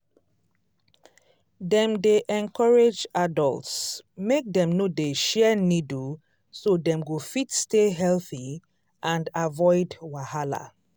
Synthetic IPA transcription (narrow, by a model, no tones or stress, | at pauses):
dɛ̃mdeʔɛ̃nkɔɹed͡ʒadɔ̰ltsmek̚dɛ̃mnodeʃɛnid | sodɛ̃mɡofitsteɦɛlθi | ʔãndavɔɪdwahala̰